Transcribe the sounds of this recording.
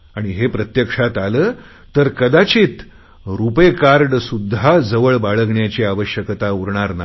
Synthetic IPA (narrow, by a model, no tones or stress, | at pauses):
aɽ̃iɦepɾət̪jəkʂat̪aləː | t̪əɾkəd̪at͡ɕiːt̪ | ɾupekaɾɖsud̪ʱːad͡zəʋəɭbaɭəɡɳjat͡ɕiaʋəɕjəkt̪auɾɳaɾna